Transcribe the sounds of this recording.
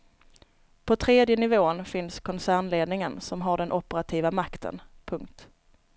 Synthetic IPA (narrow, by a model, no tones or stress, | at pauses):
pʰɔt̪ʰɾeːd̪jənɪvoːnfɪnskʰɔnsæːɳleːd̪nɪŋənsɔmɦaɖɛnʔɔpəɾat̪ʰiːvamakt̪ʰə̰npʰɵŋk̚t̪